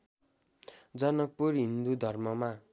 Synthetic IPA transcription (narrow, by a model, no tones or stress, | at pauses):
d͡zʌnʌk̚purɦind̪ud̪ʱʌrmʌma